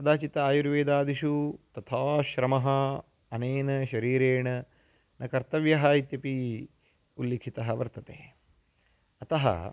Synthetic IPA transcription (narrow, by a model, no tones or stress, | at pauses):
ɐd̪aːt͡ʃit̪ɐaːjuɾʋeːd̪aːd̪iʃut̪ɐt̪ʰaːʃɾɐmɐɦɐ | ɐneːnɐʃɐɾiːɾeːɳɐ | nʔɐkɐɾt̪ɐʋjɐɦɐit̪jɐpi | ulːeːkʰit̪ɐɦɐʋɐɾt̪ɐt̪ḛː | ɐt̪ɐɦɐ̰